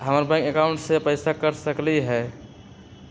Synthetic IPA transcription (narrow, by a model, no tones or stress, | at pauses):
ɦəməɾbãkekaũɳʈsepəɪsakəɾsəkliɦɛ